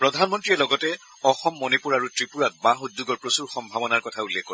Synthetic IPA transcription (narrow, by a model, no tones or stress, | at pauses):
pɹɔdʱanmɔntɹiɛlɔɡɔtɛ | ɔxɔmːonipuɹaɹutɹipuɹat̚baxudːuɡɔɹpɹosuɹxɔmbʱabɔnaɹkɔtʰaulːɛkːoɹɛ